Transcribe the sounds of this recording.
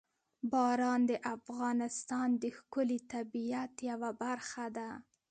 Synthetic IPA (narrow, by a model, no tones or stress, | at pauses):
bɑɾɑnd̪əʔafɣɑnɪst̪ɑnd̪əxkʊlit̪abijat̪jawabaɾxad̪a